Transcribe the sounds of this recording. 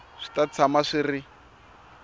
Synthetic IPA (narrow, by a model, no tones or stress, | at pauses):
ʂi̥tat͡sʰamaʂiri